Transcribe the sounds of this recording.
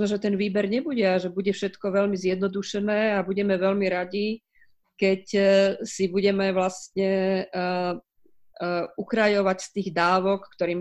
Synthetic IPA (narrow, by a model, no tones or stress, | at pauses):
nɔʒɛt̪ɛnʋiːbɛɾɲɛbuɟɛaʒɛbuɟɛfʃɛt̪kɔʋɛʎmizjɛd̪nɔd̪uʃɛnɛːabuɟɛmɛʋɛʎmiɾaɟi | kɛcsibuɟɛmɛʋlast̪ɲɛ | ukɾajɔʋacst̪iːɣd̪aːʋɔkːt̪ɔɾiːm